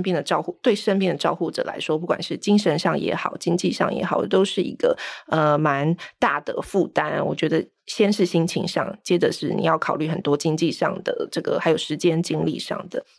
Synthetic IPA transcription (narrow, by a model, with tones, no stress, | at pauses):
npjɛ˥˩nd̪ə˩ʈ͡ʂɑ˥˧ʊxu˥˩t̪we˥˩ɪʂə˥npjɛ˥˩nd̪ə˩ʈ͡ʂɑ˥˧ʊxu˥˩ʈ͡ʂɤ̰˨˩la̰˧˥ɪʂwɔ˥pu˥˩kwa̰˨˩nʂɻ̩˥˩t͡ɕi˥ŋʂə˧˥nʂɑ˥˩ŋjɛ̰˧˥xɑ˨˩ʊt͡ɕi˥ŋt͡ɕi˥˧ʂɑ̰˥˩ŋjɛ̰˧˥xɑ˨˩ʊ˩t̪o˥ʊʂɻ̩˥˩ḭ˧˥ɡə̰˧ə˧ma˧˥nt̪a˥˩d̪̥ə˩fu˥˩t̪a˥nwɔ̰˨˩t͡ɕɥɛ˧˥d̪ə˧ | ɕjɛ˥nʂɻ̩˥˩ɕi˥ŋt͡ɕʰḭ˧˥ŋʂɑ̰˥˧˩ŋt͡ɕjɛ˥də˨ʂɻ̩˥˩nḭ˨˩jɑ˥˩ʊkʰɑ˨˩ʊly˥˩xə˨˩nt̪wɔ˥t͡ɕi˥ŋt͡ɕi˥˧ʂɑ̰˥˩ŋd̪ə̰˩ʈ͡ʂɤ˥˩ɡə̰˩xa˧ɪjo˨˩ʊʂɻ̩˧˥t͡ɕjɛ˥nt͡ɕi˥ŋlḭ˥˧ʂɑ̰˥˩ŋd̪ə˩